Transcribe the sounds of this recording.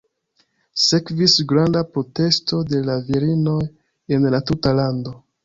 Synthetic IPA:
se̞kvisɡɾandapɾo̞te̞sto̞de̞laviɾino̞j | e̞nlatutalando̞

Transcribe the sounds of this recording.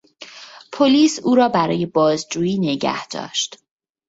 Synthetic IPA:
pʰoliːsuːɾɒːbæɾɒːje̞bɒːzd͡ʒuːjiːneɟæ̰hd̪̥ɒ̰ːʃt̪

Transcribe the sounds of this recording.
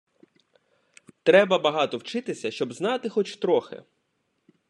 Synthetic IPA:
t̪ɾɛbɐbɐɦɑt̪ɔwt͡ʃɪt̪ɪsʲɐʃt͡ʃɔbznɑt̪ɪxɔt͡ʃt̪ɾɔxɪ̰

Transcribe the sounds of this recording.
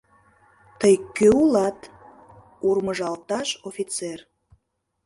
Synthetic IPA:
t̪əjkøulɑt̪ | urməʒɑlt̪ɑʃofʲit͡ser

